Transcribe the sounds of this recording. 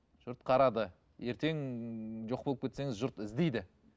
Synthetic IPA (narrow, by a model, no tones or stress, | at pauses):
ʒ̥ʊɾt̪qʰɑɾɑd̪ə | je̞ɾt̪e̞ŋʒoqpolˠəp̚kʰʲet̪se̞ŋɪzʒʊɾt̪ɪzd̪ejd̪ɪ